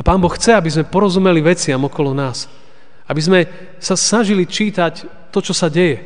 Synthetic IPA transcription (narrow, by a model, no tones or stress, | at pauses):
apaːnbɔxxt͡sɛabizmɛpɔɾɔzumɛliʋɛt͡sɪamɔkɔlɔnaːs | abizmɛ | sasnaʒilit͡ʃiːt̪ac | t̪ːɔt͡ʃɔsaɟɛjɛ